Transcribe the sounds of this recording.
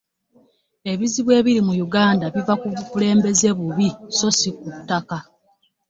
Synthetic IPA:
e̞βiziβwe̞ːβiɾimujuɡaːndaβivakuβukule̞ːmbe̞ze̞βuβiso̞sik̚utːaka

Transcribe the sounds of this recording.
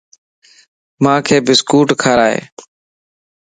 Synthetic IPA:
mãːkʰeːbɪskuːʈkʰaːɾaːḛː

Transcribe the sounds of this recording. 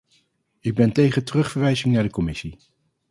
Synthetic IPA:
ɪɡ̚bɛntejχəntərɵχfəɹʋɛjzɪŋnaːɹdəkɔmɪsi

